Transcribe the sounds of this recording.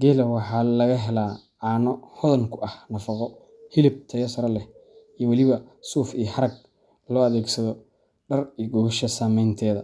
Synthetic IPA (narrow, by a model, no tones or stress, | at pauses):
ɡɛːlɐwɑħɑːlɐɣɐɦɛlaːʕɑːnɔhɔðɐŋkʰʊɐhnɐfɑqɔ | hɪlɪb̚t̪ʰɐjɐsɐɾɐlɛh | ijɔwɑlɪβɐsuːfijhɐɾɐɡ̚ | lɔːɐðɛːɡsɐðɔ | ɖɐrijɡɔɣʃɐsaːmɛjnt̪ʰɛːðɐ